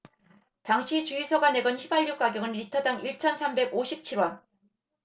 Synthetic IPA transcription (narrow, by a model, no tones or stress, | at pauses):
taŋɕʰit͡ɕuisʰʌɡane̞ɡʌnɕʰibaʎːuk̚k͈aɡjʌɡɯnːitʰʌdaŋiɭt͡ɕʰʌnsʰambe̞ɡoɕʰip̚t͡ɕʰiɾwʌn